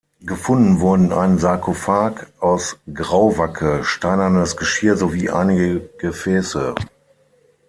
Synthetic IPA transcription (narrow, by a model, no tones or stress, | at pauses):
ɡəfʊndn̩vʊɐdn̩ʔa̰ɪnənzaɐkʰofaːkʔaʊsɡʁaʊvakʰəʃtaɪnɐnəsɡ̥əʃiːɐzoviːʔa̰ɪnɪɡəɡ̥əfɛːsə